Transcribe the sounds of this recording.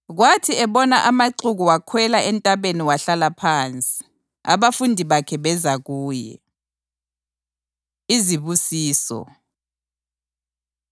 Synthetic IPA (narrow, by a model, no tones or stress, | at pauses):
ɣwatʰiɛβɔnaʔamaǀuɣuwakʰwɛlaɛntʼaβeniwaɬalapʰaːnt͡sʼi̥ | a̰βafundʱiβakʰɛβɛzaɣuːjɛ̰ | iziβusiːsɔ̰